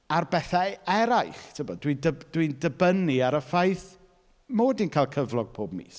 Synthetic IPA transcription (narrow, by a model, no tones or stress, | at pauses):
arbɛθaɛɾajχtʰəbɔdwindəd̥windəbəniaɾəfajθ | moːdinkʰajlˠkʰəvlˠɔɡ̚pʰoːbmḭːs